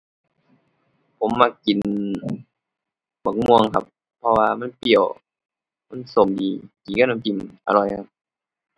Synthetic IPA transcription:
pʰo˨˦mːaː˧˩kki˨n | ma˨˦ŋ̚mu˧əŋkʰa˧p̚ʰːɔ˧waː˧ma˧˥˨npi˨˩əw | ma˧˥˨nso˨˩mdiː˨kiː˨˩ka˧˥˨na˧˨ki˨˩mʔa̰˧lɔ˨˧˩jkʰa˧p̚

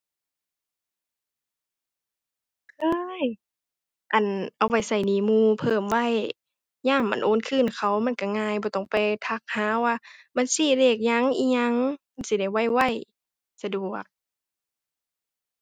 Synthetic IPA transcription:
kʰɤː˧j | ʔa˨˩nʔa˧˩wa˧˩jsa˧˩jniː˧˩muː˧˩pʰɤː˧˩mwa˧˥˨j | ɲaː˧˥˨mːa̰˧˥˨nʔoː˧˥˦nkʰɯː˧˨nkʰa˧˩wma˧˥˨nka˧˩ŋaː˧˨jbɔː˧˦t̪ɔ˧˨˩ŋpa˨˧jt̪ʰa˧˩k̚haː˧˦waː˧˨ba˧˨nsiː˧˩leː˧˩k̚ɲa˧˥˨ŋʔiː˧˥ɲa˧˥ŋma˧˨nsi˧˦da˧˩jwa˧˥˩jwa˧˩˨j | sa˧du˨˩ɐk̚

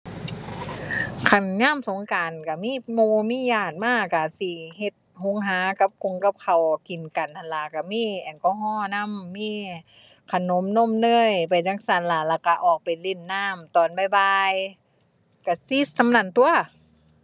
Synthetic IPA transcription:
kʰa˧˩nŋaː˧˥˨mso˨˦ŋkaː˨nka˧˩miː˧˥˨moː˧miː˧˥˨jaː˧˩t̪̚maː˧˥˩ka˧˩si˧˩he˧t̪̚ho˧˥˨ŋɦaː˨˦ka˧p̚kʰo˧˨ŋka˧p̚kʰa˨˩wki˨˩nka˨nt̪ʰa˧˩nla˧˩ka˧˩miː˧˥˨ʔa˨˩nkɔː˧˩ɦɔː˧˩˨na˧˥˨mːiː˧˥˨ | kʰa˧˩no˧˦mno˧˥˨mnɤː˧˥˩jpa˨jt͡ɕa˧˥˩ŋsa˧˩nla˧˩laː˧˩ka˧˩ʔɔː˨˩k̚pa˨˩jli˧˩nːaː˧˥˨mt̪ɔː˨˩nba˧˩jbaː˧j | ka˧˩si˧˥sa˧˥mnaː˧˩˨nt̪u˧ɐ

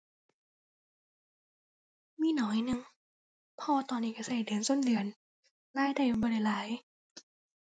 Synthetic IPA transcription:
miː˧˥˨nɔː˨˦jnɯ˧˨ŋ | pʰɔː˧t̪ɔː˧nːiː˧˩ka˧˩sa˧˩jdɯ˨˩˦ənso˧˥˨ndɯ˨˦ən | laː˧˥˨jda˧˩jbɔː˧˨ɾa˧˩jlaː˨˦j

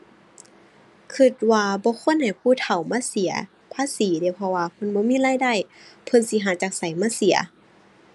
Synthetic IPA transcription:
kʰɯ˧t̪̚waː˧bɔː˧˦kʰo˧˥˨nha˨˩jpʰuː˧˩˨t̪ʰa˨˩wmaː˧˥˨si˨˦ɐ | pʰaː˧˥˨siː˨˦de˧˩˦wpʰɔ˧waː˧pʰɤ˧˥˨nbɔː˧˦miː˧˥˨laː˧˥˨jda˧˥˨jpʰɤ˧˥˨nsi˧˦ɦaː˨˦t͡ɕaː˨˩k̚sa˨˩jmaː˧˥˨si˨˦ɐ̰

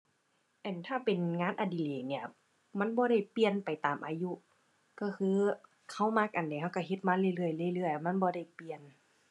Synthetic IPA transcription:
ʔɛː˧˩nt̪ʰaː˧˥˩pe˨nŋaː˧˥˨nʔa˧˩di˨˩leː˨˩ni˧˩ɐ | ma˧˥˨nbɔː˧˦ɾa˧˥˩jpi˧ənpa˨˩jt̪aː˨˩mʔaː˧ju˧˥ʔ | kɔː˧˩kʰɯː˧˥ | kʰa˧˥˩wma˧˥k̚ʔa˨nda˨ɦa˧˩wka˧˩ɦe˧˦t̪̚maː˧˥˨lɯː˧˨jlɯ˧˩əjlɯ˧˩ə˨jlɯ˧˥˩əjma˧˥nbɔː˧˦da˧˥˩jpi˧˨ən

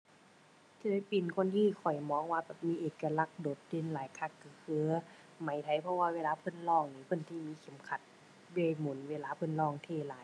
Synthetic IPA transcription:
t̪ʰiː˧da˧˥˩jpi˨˩nkʰo˧˥˨nt̪ʰiː˧˨kʰɔ˨˩jmɔː˧˥˨ŋwaː˧bɛː˨˩p̚miː˧˥˨ʔeː˨˩kːa˧la˧˩k̚doː˨˦t̪̚de˧˩˨nlaː˨˦jkʰa˧˩kːɯ˧˦kʰɯː˧˦ | ma˨˦jt̪ʰa˧˦jpʰɔ˧waː˧weː˧laː˧pʰɤ˧˥˨nlɔː˧˩˨ŋniː˧˦pʰɤ˧˥˨nt̪ʰiː˧˨miː˧˥kʰe˨˦mkʰa˧˦t̪̚ | be˧˨jmu˨˩˦nweː˧˨laː˧pʰɤ˧˥˨nlɔː˧˩˨ŋt̪ʰeː˧˨laː˨˦j

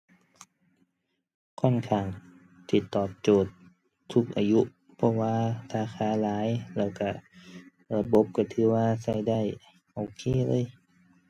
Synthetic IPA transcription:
kʰɔ˧˥˨nkʰaː˧˩ŋ | t̪ʰiː˧˩t̪ɔː˨˩p̚t͡ɕoː˨˩t̪ʰː | u˧˥k̚ʔaː˧ju˧˦˥ʔ | pʰɔ˧waː˧ɾaː˧˥xʰaː˧˩˦laː˨˦jlɛː˧˩wka˧˩ | la˧˩bo˧˦p̚ka˧˩t̪ʰɯː˨˦waː˧sa˧˩jda˧˩˨j | ʔoː˧˨˩kʰeː˧˥˨lɤː˧˥˨j

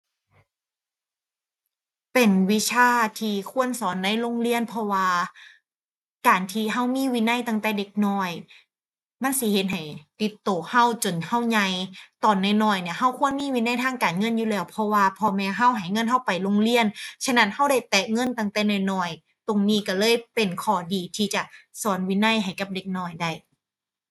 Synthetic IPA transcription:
pe˨˩nwi˦˥t͡ɕʰaː˧˥˩t̪ʰiː˧kʰu˧˥˨ənsɔː˨˦nda˧˥˨jlo˧˥˨ŋli˧˥˩ənpʰɔ˧waː˧ | kaː˨˩nt̪ʰiː˧ɦa˧˩wmiː˧˥˨wiː˧˥na˧˥˩jt̪a˧˩ŋt̪ɛː˧˩de˧˦k̚nɔː˧˩j | ma˧˥˨nsi˧˦he˧˦t̪̚ɦa˨˩jt̪i˧˦t̪ːoː˨˩ha˧˥˩wt͡ɕo˨˩nha˧˥˩wɲa˧jt̪ɔː˨nːa˧˩nɔː˧˩jni˧˩ɐha˧˥˩wkʰu˧˥˨ənmiː˧˥˨wiː˧˥na˧˥˩jt̪ʰaː˧˥˩ŋkaː˨˩nŋɤ˧˥˨njuː˧lɛː˧˩wpʰɔ˧waː˧pʰɔː˧mɛː˧ɦa˧˥˩wɦa˨˩˦jŋɤ˧˥˨nɦa˧˥˩wpa˨˩jlo˧˥ŋli˧˥˨ənt͡ɕʰa˧˥na˧˥˩nha˧˥˩wda˧˥˩jt̪ɛː˨˩ŋɤ˧˥˨nt̪a˧˩ŋt̪ɛː˧˩naɔː˧˩jnɔː˧˩j | t̪o˨ŋniː˧˩ka˧˩lɤː˧˥˨jpe˨nkʰɔː˨˩diː˨t̪ʰiː˧t͡ɕa˨˩sɔː˨˦nwiː˧˥˨na˧˥˨jɦa˨˩jka˧˦p̚de˧˦k̚nɔː˧˩jda˧˩j

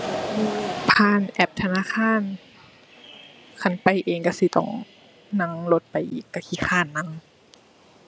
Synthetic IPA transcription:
pʰaː˧˥˨nʔɛ˧˩p̚t̪ʰa˧naː˧˨xʰaː˧˥˨n | kʰa˧˩npa˨˩jʔeː˨ŋka˧˩si˧˦t̪ɔ̰˧˩ŋ | na˧˥˨ŋlo˧t̪̚pa˨jʔiː˨˩kːa˧˩kʰi˧˩xʰaː˧˥˨nːa˧˥ŋ

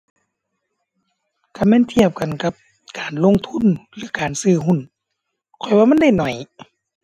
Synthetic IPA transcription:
ka˧˩mɛː˧˥˨nt̪ʰi˧˩əp̚ka˨nka˧˦p̚ | kaː˨˩nlo˧˨ŋt̪ʰu˧˥˨nlɯː˨˦kaː˨˩nsɯː˧˩ɦu˧˨n | kʰɔ˨˩jwaː˧ma˧˥˨nda˥˩˨jnɔ˨˩j

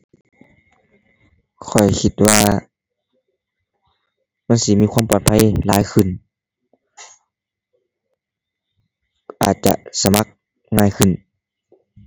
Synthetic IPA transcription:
kʰɔ˨˩jkʰi˧t̪̚waː˧ | ma˧˥˨nsi˧˦miː˧˥˨kʰwa˧˥˨mpɔː˨˩t̪̚pʰa˧˥jlaː˨˦jxʰɯ˧˩n | ʔaː˨˩t̪̚t͡ɕa̰˧˨ʔsa˧ma˧k̚ | ŋaː˧˩jkʰɯ˨˩˨n

